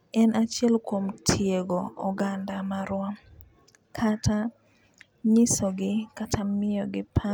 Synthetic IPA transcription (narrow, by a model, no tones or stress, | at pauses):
ɛnat͡ʃɪɛlkwomtʰjeɡoɔɡandamaɾwam | kʰata | ɲɪsoɡɪkatʰamɪjɔɡɪpʰa